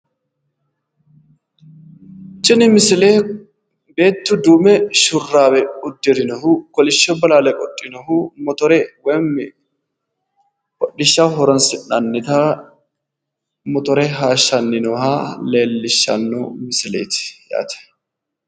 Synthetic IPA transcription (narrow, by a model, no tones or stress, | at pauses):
t͡ʃʼːɪnɪmɪsɪleː | be̞ːt̪ːʊd̪uːmɛʃʊrːaːbɛʊd̪ːɪɾɪnɔhʊkɔlɪʃːɔbɐlaːlɛkʼɔtʼːɪnɔhʊmɔt̪ɔɾɛwɐjm | kʼɔɗɪʃːaɦɔɾɔnsɪnɐnːɪt̪ɐ | mɔt̪ɔɾɛɦaːʃːɐnːɪnɔhaːleːlːɪʃːɐ̰nːo̰mɪsɪlɛ̰jt̪ɪ̥ja̰ːt̪ɛ̥